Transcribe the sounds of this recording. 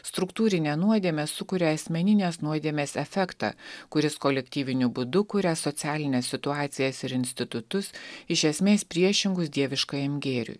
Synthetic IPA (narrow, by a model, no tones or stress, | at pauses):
st̪ɾʊkt̪uːɾʲɪnʲɛnuɔd̪ʲiɛmʲeːsʊkʊɾʲɛɐsʲmʲɛnʲɪnʲeːsnuɔd̪ʲeɛːmʲeːsɛfʲɛkt̪ɑ̰ːkʊɾʲɪskɔlʲɛkʲt̪ʲiːʋʲɪnʲʊbʊd̪ʊkʊɾʲɛsɔt̪sʲæːlʲɪnʲeːsːʲɪt̪ʊɑːt̪sʲɪjɛsɪɾɪnʲsʲt̪ʲɪt̪ʊt̪ʊsɪʃʲɛsʲmʲeːspʲɾʲiɛʃʲɪŋɡʊsd̪ʲiɛʋʲɪʃkɐjɛmʲɡʲeːɾʲʊ̰j